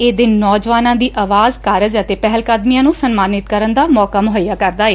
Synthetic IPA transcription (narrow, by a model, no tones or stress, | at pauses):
eːd̪ɪnːɔːd͡ʒʋaːnãːd̪iːʔaːʋaːzkaːɾəd͡ʒət̪eːpɛɦəlkad̪miːjãːnũːsənmaːnɪt̪̚kəɾənd̪aːmɔːkaːmʊɦəjːaːkəɾd̪aːeː